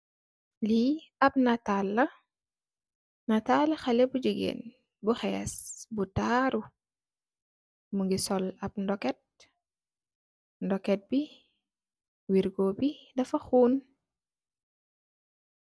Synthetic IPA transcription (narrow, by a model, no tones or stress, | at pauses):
liɐp̚natalːɐ | natalɐxɐlɛbud͡ʒəɡeɛ̰ːn | buxɛːsbutaɾu | muŋɡisɔlɐb̚ndɔkɛt̚ | ndɔkɛt̚bi | wiɾɡobidɐfɐxuːn